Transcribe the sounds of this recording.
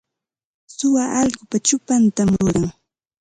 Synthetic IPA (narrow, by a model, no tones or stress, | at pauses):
sʊwaʔɑʎɢʊpat͡ʃʊpant̪amɾʊɾaŋ